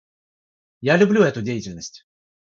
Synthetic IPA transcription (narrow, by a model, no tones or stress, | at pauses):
jalʲʊblʲuɛt̪ʊdʲejɪtʲɪlʲnəsʲtʲ